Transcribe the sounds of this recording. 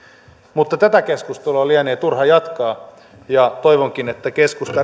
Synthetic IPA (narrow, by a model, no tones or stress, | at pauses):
mut̪ːɑt̪æt̪ækeskust̪elɑliæneːt̪urhɑjɑt̪kɑː | jɑt̪oiʋoŋk̟inet̪ːækeskust̪ɑ